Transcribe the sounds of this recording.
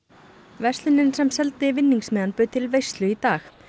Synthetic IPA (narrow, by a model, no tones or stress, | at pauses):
vɛst̪lʏnɪnsɛmsɛlt̪ɪvɪnːiŋksmɛːðanpʏːt̪ʰɪlvejst̪lʏit̪aːx